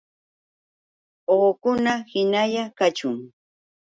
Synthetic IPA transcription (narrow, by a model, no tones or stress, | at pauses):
oːkʊnahɪnajakat͡ʃʊŋ